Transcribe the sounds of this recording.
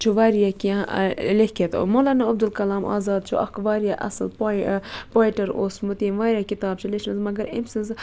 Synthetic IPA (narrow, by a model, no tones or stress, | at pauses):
t͡ʃʰuʋaːɾijakiãlehket̪moːlaːnaɐb̚d̪ulkɐlaːmʔa̰ːzaːd̪̚t͡ʃʰṵʔɐ̰kʋaːɾjaʔɐ̰sɨlppoːiʈɐɾoːsmut̪iːmʋaːɾjakit̪aːbt͡ʃʰuleʃmɐzmɐɡɐɾḭmsɨz